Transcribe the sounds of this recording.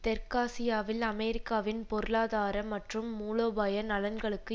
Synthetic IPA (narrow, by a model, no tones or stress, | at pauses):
t̪ɛɾkaːsɪjaːʋɪlɐmɛɾɪkːaːʋɪnpɔɾɯlaːðaːɾɐmɐʈrɯmːuːloːbaːjɐnɐlɐnɡɐɭɯkːɯ